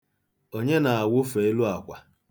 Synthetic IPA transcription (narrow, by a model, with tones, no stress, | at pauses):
o˦ɲe˦na˨a˨wʊ˦fe˨e˦lu˦a˨kʷa˨